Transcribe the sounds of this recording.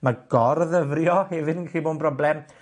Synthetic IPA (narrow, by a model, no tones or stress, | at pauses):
maɡ̥ɔrðəvrjɔhɛvɨdənkχiːboːdnpʰrɔblɛm